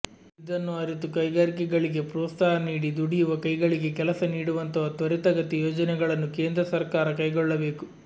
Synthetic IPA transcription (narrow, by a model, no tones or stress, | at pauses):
id̪ɐnːuɐɾit̪ukɐjɡaːɾikɛɡɐɭiɡe̞pɾːst̪aːɾɐniːɽid̪uɽijuʋɐkɐjɡɐɭiɡe̞kɛlɐsɐniːɽuʋɐnt̪ɐʋɐt̪ʋɐɾit̪ɐɡɐt̪ijoːd͡ʒɐnɛɡɐɭɐnːuke̞ːnd̪ɾɐsɐɾkaːɾɐkɐjɡɔɭːɐbe̞ːku